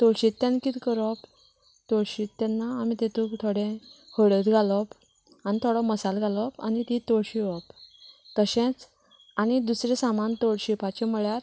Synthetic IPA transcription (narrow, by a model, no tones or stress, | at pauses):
t̪oɽɕit̪ːẽnkit̪kəɾɔp | t̪oɽɕit̪t̪ɛnːaːmit̪et̪ũkt̪ʰoɽẽhoɽət̪ɡʱalɔp | anit̪ʰoɽɔməsalɡʱalɔpa̰nit̪it̪oɽɕiʋɔpt̪əɕɛ̃t͡s | anid̪usɾesamant̪oɽɕipat͡ɕemuɭjaɾ